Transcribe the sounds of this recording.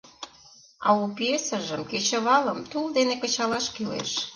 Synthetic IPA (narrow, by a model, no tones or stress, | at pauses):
ɑupiesə̆ʒəmket͡ɕə̆βɑləmt̪uld̪enekə̆t͡ɕɑlɑʃkilḛʃ